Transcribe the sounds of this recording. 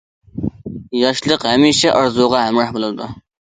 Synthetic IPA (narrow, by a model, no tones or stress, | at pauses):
jɑʃlˠəqɦɛmiʃɛʔɑɾzuʁɑɦæmɾɑhbolˠɨɨd̪u